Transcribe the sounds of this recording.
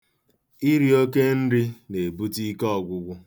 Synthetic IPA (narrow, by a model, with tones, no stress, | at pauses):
i˦ɾi˦o˦ke˦n̩˦ɾi˦ne˨bu˦ti˦kɔ˦˨ɡʷʊ˨ɡʷʊ˦